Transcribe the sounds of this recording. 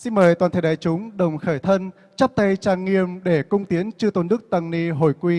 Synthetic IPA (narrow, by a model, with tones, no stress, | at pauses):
si˧nməː˨˩jt̪waː˨˩nt̪ʰə˧˩ɗaː˨˩jt͡ɕʊ˨˦ŋ͡mɗə˨˩wŋ͡mxəː˧˩jt̪ʰə˧n | t͡ɕə˦˥p̚t̪a˧jt͡ɕaː˧˩ŋŋi˧˨əmɗe˧˩kʊ˧ŋ͡mt̪i˨˦ənt͡ɕɨ˧ət̪o˨˧˦nːɨ˦˥ək̚t̪ə˧˩ŋni˧ɦo˧˩jkwi˧